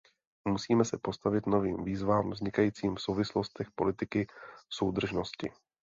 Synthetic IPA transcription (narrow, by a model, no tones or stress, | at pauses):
musiːmɛsɛpo̞st̪avɪt̪no̞viːmviːzvaːmvzɲɪkajiːt͡siːmfsowvɪslo̞st̪ɛxpo̞lɪt̪ɪkɪso̞wd̪r̩ʒno̞scɪ̰